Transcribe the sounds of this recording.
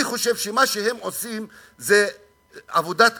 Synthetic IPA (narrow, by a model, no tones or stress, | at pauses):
iχo̞ʃe̞vʃemaʃeɦe̞mosim | ze | avod̪at̪